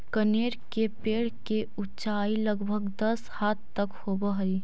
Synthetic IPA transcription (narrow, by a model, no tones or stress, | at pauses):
kəneːɾkepeːɽ̤ke | ʊt͡ʃaːiləɡbʱəɡd̪ɐshaːt̪t̪əkhoːbəɦəi